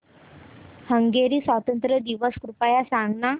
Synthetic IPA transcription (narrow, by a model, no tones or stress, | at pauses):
həŋɡeɾiːsʋat̪ənt̪ɾəd̪iʋəskɾupajasãŋɡna